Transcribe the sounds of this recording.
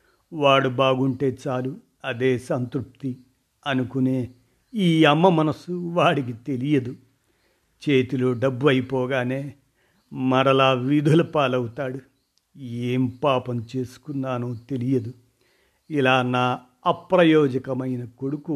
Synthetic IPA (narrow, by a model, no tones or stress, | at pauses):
ʋaːɽubaːɡuɳʈe̞ːt͡ʃaːlu | ɐd̪e̞ːsɐnt̪ɾup̚t̪i | ɐnukuneː | iːɐmːɐmɐnɐsuʋaːɽik̬it̪e̞lijɐd̪u | t͡ʃe̞ːt̪iloːɖɐbːuɐjipɔːɡaːneː | mɐɾɐlaːʋid̪ʱulɐpaːlɐwut̪aːɽu | eːmpaːpɐmt͡ʃe̞ːsu̥kunːaːnuːt̪e̞lijɐd̪u | ilaːnaː | ɐpɾɐjɔːd͡ʒɐkɐmɐjnɐkoɽuku